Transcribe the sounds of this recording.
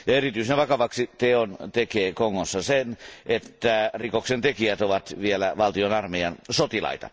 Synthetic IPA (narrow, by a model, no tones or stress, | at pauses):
jɑerit̪yisenʋɑkɑʋɑksit̪eont̪ekeːkoŋːosːɑsenʔet̪ːærikoksent̪ekiæt̪oʋɑt̪ʋielæʋɑlt̪ionɑrmejɑnsot̪ilɑ̰it̪ɑ̰